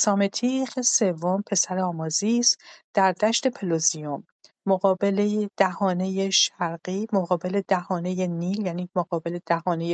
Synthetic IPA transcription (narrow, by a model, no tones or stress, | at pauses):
sɒːmet̪ʰiχese̞vːompʰe̞sæɾeɒːmɒːzisd̪̥æɾd̪æʃt̪e̞pʰelozijomː | oɣɒːbe̞lejed̪̥æhɒːne̞jeʃæɾɢiːmoɣɒːbe̞le̞d̪æhɒːne̞jeniːljæniːmoɣɒːbe̞le̞d̪̥æhɒːne̞je